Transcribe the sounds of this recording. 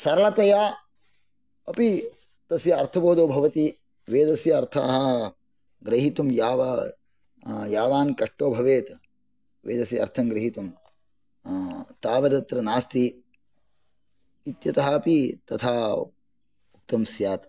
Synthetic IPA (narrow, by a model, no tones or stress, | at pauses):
sɐɾɐlɐt̪ɐjaː | ɐpi | t̪ɐsjɐɐɾt̪ʰɐboːd̪oːbʱɐʋɐt̪i | ʋeːd̪ɐsjɐːɾt̪ʰa̰ːɦɐ | ɡɾɐɦit̪umjaːʋɐ | jaːʋaːnkɐʂʈoːbʱɐʋeːt̪ | ʋḛːd̪ɐsjɐɐ̰ɾt̪ʰɐmɡɾɐɦit̪um | t̪aːʋɐd̪ɐt̪ɾɐnaːst̪i | t̪jɐt̪ɐɦɐɐpit̪ɐt̪ʰaː | ut̪ːɐmsjaːt̪